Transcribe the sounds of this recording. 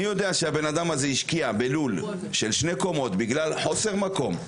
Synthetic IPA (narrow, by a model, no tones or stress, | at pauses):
ijo̞d̪eaʃehabe̞nad̪amhazeiʃkiabelul | ʃelʃneko̞mo̞t̪biɡlalħo̞seʁmako̞m